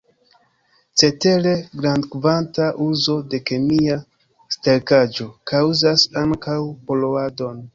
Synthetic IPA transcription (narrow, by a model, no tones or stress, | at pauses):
t͡se̞te̞ɾe̞ɡɾandkvantaʔuzo̞de̞ke̞mia | steɾkad͡ʒo̞kawzasaŋkawpo̞loado̞n